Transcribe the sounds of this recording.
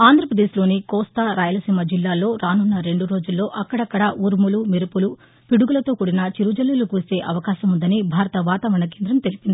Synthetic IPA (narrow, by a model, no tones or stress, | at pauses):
aːnd̪ɾɐpɾɐd̪eːʃlo̞ːnikɔːst̪aɾaːjɐlɐsiːmɐd͡ʒilːaːlːo̞ːɾaːnunːɐɾe̞ɳɖuɾo̞ːd͡ʒulːo̞ːʔɐkːɐɽɐkːɐɽɐʔuːɾmulumiɾupulu | piɽuɡulɐt̪o̞ːkuɽinɐt͡ʃiɾud͡ʒɐlːulukuːse̞ːʔɐʋɐkaːʃɐmund̪ɐnibʱaːɾɐt̪ɐʋaːt̪aːʋɐɐɳɐk̬e̞ːnd̪ɾɐmt̪e̞lipind̪ii